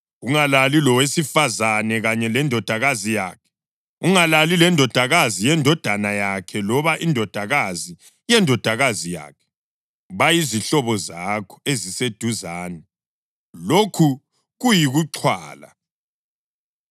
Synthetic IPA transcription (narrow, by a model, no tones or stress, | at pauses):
uŋalalilɔwesifazanɛɣaɲɛlɛndʱɔd̥ʱaɣazijaːkʰɛ̥ | uŋalalilɛndʱɔd̥ʱaɣazijɛndʱɔd̥ʱanajakʰɛlɔβaʔindʱɔd̥ʱaɣazi | jɛndʱɔd̥ʱaɣazija̰ːkʰɛ̥ | βajiziɬɔβɔzakʰɔ̥ezised̥ʱuzaːnɛ | lokʰu | ɣujiɣuǁʰwa̰ːla̰